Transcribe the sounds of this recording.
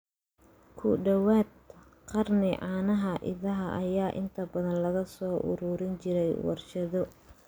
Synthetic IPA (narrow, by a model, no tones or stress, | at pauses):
kʰʊɖɐwaːd̪̚ | qɑrnɪʕɑːnɐɦɐʔɪ̰ðɐɦɐʔɐjaːʔɪ̰nt̪ʰɐbɐðɐnlɐɣɐsɔːʔʊ̰ɾʊɾɪnt͡ʃɪɾɛjwɑ̰rʃɐðɔ